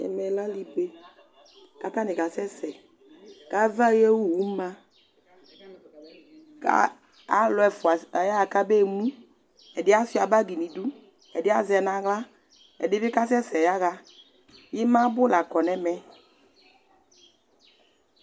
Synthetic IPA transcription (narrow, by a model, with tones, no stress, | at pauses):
ɛ̰˨mɛ˨la˦li˦pe˦ | ka˦ta˦nɪ˨ɡa˨sɛ˦sɛ˨ | ka˨˦va˦jɛ˦wu˦˨wu˨˦ma˦ | ka̰˦ | a˦lɔ˨˦ɛ˨fʊ˨a˨a˨ja˦a˨ka˦be˦˨mũ˦ | ɛ˨dɪ˦a˦sʊ˦a˨ba˦ɡi˨nĩ˨du˦ | ɛ˨dɪ˦a˦zɛ˨nã˨ɣla˦ | ɛ̰˨dɪ˦bɪ˦ka˦sɛ˦sɛ˨ja˦ɣa˦ | jɪ˦mã˦bʊ˦la˨kɔ˨nɛ˨mɛ˨